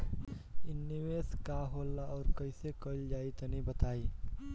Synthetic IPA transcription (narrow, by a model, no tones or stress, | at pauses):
ɪnːiʋeːskaːɦoːlːaʔɔːɾkəɪsekəld͡ʒaːit̪ɐnĩbɐt̪aːiː